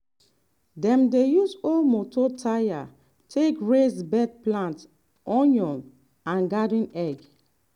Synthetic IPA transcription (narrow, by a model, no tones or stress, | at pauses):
dɛ̃mdejusɔlmototʰaja | tʰekɹesbɛd̚plãnt | ɔ̃njɔ̃n | ãnɡadĩnɛɡ